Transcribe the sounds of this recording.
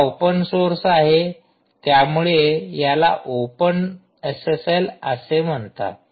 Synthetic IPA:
opənsoɾsaɦe | t̪jamuɭejala̰ʔopən | əseseləsem̤əɳt̪a̰

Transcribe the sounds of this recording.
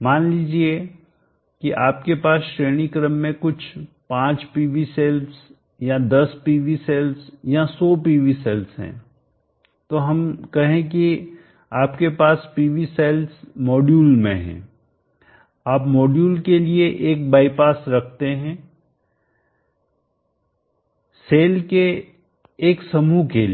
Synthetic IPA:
maːnliːd͡ʒie | kiʔaːp̚kepaːsʃɾeːɽ̃ikɾəmːẽkʊt͡ʃʰpãːt͡ʃpiːʋiseːls | jad̪ɐspiːʋiseːlsjasɔːpiːʋisɛːlsɦɛ̰̃ː | t̪oɦɐmkɐɦẽk̬i | aːpkepaːspiːʋiseːlsmɔːɖjuːlmḛ̃ɦɛ̰̃ː | aːpmɔːɖjuːlkelieʔeːk̚baːɪpaːsɾɐkʰt̪eɦɛ̃ː | seːlke | eːksɐmukel

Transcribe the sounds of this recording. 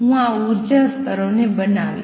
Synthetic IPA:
ɦũauɾd͡ʒəst̪əɾonebənaʋḭ

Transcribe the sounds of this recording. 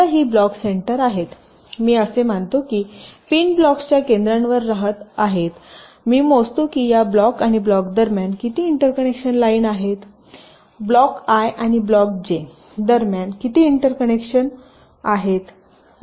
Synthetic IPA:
aɦiːblɔkseɳʈəɾaɦet̪ | miːəsem̤aɳt̪okiːpiːnblɔkst͡ɕjakẽnd̪ɾanʋəɾːaɦət̪aɦet̪ | miːmost̪okiːjablɔkaɽ̃iblɔkd̪əɾmjankit̪iːɳʈəɾkənekʂənlaiːnaɦet̪ | blɔkajʔaɽ̃iblɔk̚d͡ʑe | d̪əɾmjankit̪iːiɳʈəɾkənekʂən | aɦet̪

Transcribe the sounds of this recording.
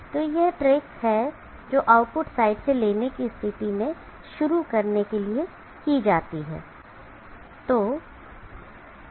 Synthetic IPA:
t̪oːjɛɦʈɾeːkshɛ | d͡ʒoːʔaːʊʈ̚pʊʈsaːɪʈseleːnekist̪ʰɪt̪imẽ | ʃʊɾukɐɾnekelie | kid͡ʒaːt̪iɦɛ̰ː | t̪oː

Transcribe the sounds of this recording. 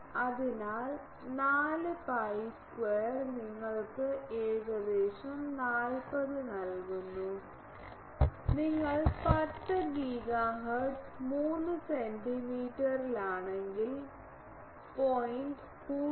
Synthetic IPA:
ɐðinaːl | naːlɨpɐjskwejɐrniŋːɐɭkɨeːɻɣɐd̪eːɕɐmnaːlpɐðɨnɐlkunːu | niŋːɐɭpɐʈːɐɡiːɡaɦɐʈmuːnːɨsenɖimiːʈːɐɾilaːɳeŋɡil | pojinɖ | puː

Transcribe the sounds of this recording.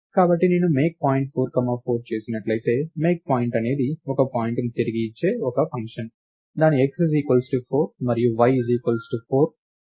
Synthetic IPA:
kaːbɐʈːineːnume̞ːk̚paːjiɳʈ̚pʰoːɾkɐmaːpʰoːɾt͡ʃe̞ːsinɐʈlɐjt̪e̞ːme̞ːk̚paːjiɳʈɐne̞ːd̪iɔkɐpaːjiɳʈnit̪iɾiɡiːt͡ʃːe̞ːɔkɐpɐŋkʂɐn | d̪aːniekssiːkʋɐlsʈupʰoːɾmɐɾijuʋɐjziːkʋɐlsʈupʰoːɾ

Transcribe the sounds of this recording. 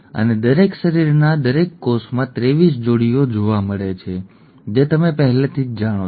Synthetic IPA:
ə̰ned̪əɾekʃəɾiɾnad̪əɾekːosmãt̪ɾeʋis̬d͡ʒoɽijod͡ʒoʋaməɭet͡ʃʰe | d͡ʒet̪əmepəɦɛlet̪ʰid͡ʒd͡ʒaɽ̃o

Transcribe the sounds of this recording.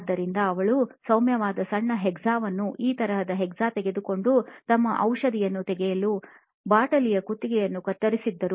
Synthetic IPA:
d̪ːɐɾind̪ɐːʋɐɭusɐwmjɐʋaːd̪ɐsɐɳːɐɦɛɡzaːʋɐnːuʔiːt̪ɐɾɐɦɐd̪ɐɦɛɡzaːt̪ɛɡe̞d̪uko̞ɳɖut̪ɐmːɐʔɐwʂɐd̪ijɐnːut̪ɛɡɛjɐlu | baːʈɐlijɐkut̪ːiɡɛjɐnːukɐɾt̪ːɐɾisid̪ːɐɾu

